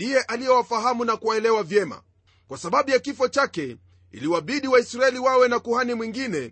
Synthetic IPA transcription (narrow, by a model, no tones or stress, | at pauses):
dijɛʔalijɛwafaɦamunakuwaɛlɛwavjɛma̰ | kwasaɓaɓujakifɔt͡ʃakɛ | ḭliwaɓiɗiwaisɾaɛliwawɛnakuhanimwiŋɡinɛ